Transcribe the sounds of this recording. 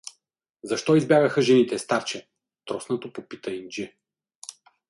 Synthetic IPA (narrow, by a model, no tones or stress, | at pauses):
zɐʃt̪ɔizbjavʲəxəʒɛnit̪ɛst̪aɾt͡ʃɛ | t̪ɾɔsnɐt̪opopit̪ɐind͡ʒɛ